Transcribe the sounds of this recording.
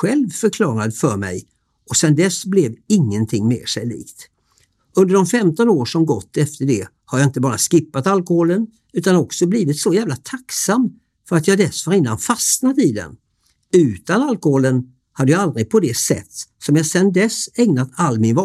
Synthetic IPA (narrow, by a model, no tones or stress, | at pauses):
ɧɛlvfœɾkʰlɑːɾad̪əfœɾmɛ̰j | ɔsɛnd̪ɛsblɛvɪŋːənt̪ʰɪŋːmḛːʂɛjlḭːkt̪ | ɵnd̪əɖɔmfɛmt̪ɔnoːʂɔmɡɔt̪ːɛft̪əɖɛ | haɾjɑːɪnt̪əbɑːɾaskɪpːat̪alkɔhoːlən | ʉ̟ːt̪anɔksɔbliːvɪt̪sɔjæːvlat̪ʰaksam | fœɾat̪jɑːd̪ɛsvaɾɪnːa̰nfasnad̪ɪd̪ɛ̰n | ʉ̟ːt̪analkɔhoːlən | had̪ːəjaald̪ɾɪd̪̚pʰɔd̪ɛsɛ̰t̪ːsɔmjɑsɛnd̪ɛsɛŋnat̪ʰalːmɪnvɑ